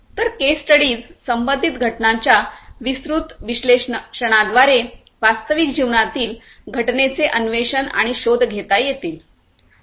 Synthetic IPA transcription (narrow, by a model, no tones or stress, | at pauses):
t̪əɾkesʈəɽiːd͡zsəmbənd̪ʱit̪ɡʱəʈnãɲt͡ɕjaʋisɾut̪ʋiɕleɕəɽ̃ad̪ʋaɾe | ʋast̪əʋikd͡ʑiʋɳat̪iːl | ɡʱəʈnet͡seʔənʋeɕəna̰ɽ̃iɕod̪ʱɡʱet̪ajjet̪iːl